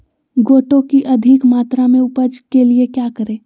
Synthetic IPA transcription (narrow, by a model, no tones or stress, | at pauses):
ɡoːʈõkiʔɐd̪ʱɪkmaːt̪ɾamẽʊpəd͡ʒkeliekjaːkəɾeː